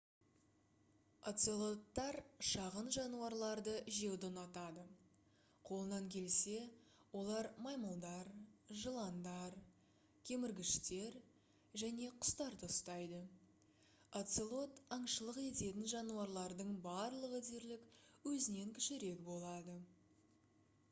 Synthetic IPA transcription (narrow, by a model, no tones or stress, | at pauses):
at̪selˠo̞t̪ːɑɾʃɑʁənʒɑnuɑɾlˠɑɾd̪əʒe̞wd̪onɑt̪ɑd̪ə | qʰo̞lˠənɑŋkʲʰe̞lse̞wo̞lˠɑɾmɑjməlˠd̪ɑɾʒəlˠɑnd̪ɑɾ | kʲʰe̞mɪɾɡʲɪʃt̪e̞ɾ | ʒæne̞qʰʊ̥st̪ɑɾd̪ost̪ɑjd̪ə | at̪selˠo̞t̪ɑɴʃəlˠəqe̞t̪e̞t̪ɪnʒɑnuwɑɾlˠɑɾd̪əɴbɑɾlˠəʁəd̪eɾlɪkwɵzɪne̞ŋkʲʰɪ̥ʃɪɾe̞kbo̞lˠɑd̪ə